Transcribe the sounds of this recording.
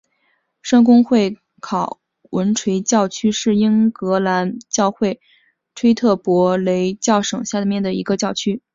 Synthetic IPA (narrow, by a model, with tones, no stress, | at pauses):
ʂɑ˥ŋk̬ʊ˥ŋxwe˥˩ɪ | kʰɑ˨˩ʊ | wʔə˧˥nʈ͡ʂʰwe˧˥ɪt͡ɕjɑ˥˩ʊt͡ɕʰy˥ʂɻ̩˥˩i˥ŋkɤ˧˥la˧˥nt͡ɕjɑ˥˧ʊxwe˥˩ɪ | ʈ͡ʂʰwe˥ɪt̪ʰɤ˥˩pwɔ˧˥le˧˥ɪt͡ɕjɑ˥˩ʊʂɤ˨˩ŋɕja˥˩d̪mjɛ˥˩nd̪ə˩i˧˥ɡə˧t͡ɕjɑ˥˩ʊt͡ɕʰy˥